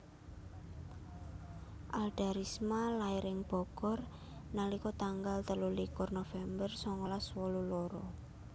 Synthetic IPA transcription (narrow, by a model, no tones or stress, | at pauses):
ʔalɖ̥a̤ɾismalaiɾɪŋb̥ɔ̤ɡ̥ɔr | nalikɔt̪aŋɡalt̪əlulikʊrnofɛmbərsɔŋɔlaswɔluloɾɔ